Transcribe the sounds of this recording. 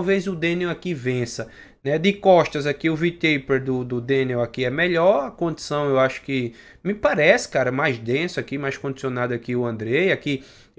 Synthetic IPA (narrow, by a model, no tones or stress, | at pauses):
wvejzʊd̪ẽnewakivẽsɐ | nɛd̪ɪkɔʃt̪ɐzakiʊvit̪ejpeɾd̪ʊd̪ʊd̪ẽnewakiɛmɛʎɔɾɐkõd̪i̥sɐ̃w̃ewaʃʊ̥kɪ | mɪpaɾɛsɪ̥kaɾɐmajzd̪ẽsʊakimajskõd̪i̥siõnad̪ʊakiʊɐ̃nd̪ɾejaki